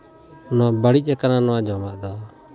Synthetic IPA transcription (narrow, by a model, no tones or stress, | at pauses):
nɔbəɽic̚ˀɛkananɔwad͡ʒɔmaʔd̪ɔ